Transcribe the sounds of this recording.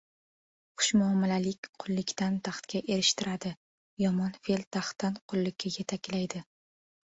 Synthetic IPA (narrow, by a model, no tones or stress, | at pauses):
qʰʊ̥ʃmʊamːɪlalɪkʲqʰʊlˠːɪkʲt̪ant̪ʰɑχt̪kʲaʔe̞ɾɪʃt̪ʰɪɾad̪ɪ | jɒmɒnfelt̪ʰaχt̪ːanqʰʊlːɪkʲʰːajet̪ʰakʲːlajd̪ɪ